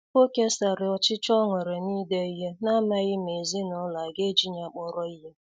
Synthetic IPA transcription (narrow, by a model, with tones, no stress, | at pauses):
o˦ke˦sa˨ɾɪ˨ɔ˨t͡ʃɪ˦t͡ʃɔ˦ŋʷe˨ɾe˨niː˦de˦i˦ɦe˦na˦ma˦ɣɪ˦me˨zi˦nɔ˦la˨ɡe˦d͡ʒi˦ɲa˨˦k͡pɔ˦ɾɔ˦i˦ɦe˦